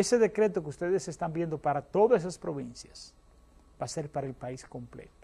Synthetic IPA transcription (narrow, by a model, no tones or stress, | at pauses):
ese̞ðe̞kɾe̞t̪okeust̪eðesest̪ambje̞nd̪o̞paɾat̪o̞ðosesaspɾo̞βinsjas | b̥ase̞ɾpaɾaelpaisko̞mplḛt̪o̥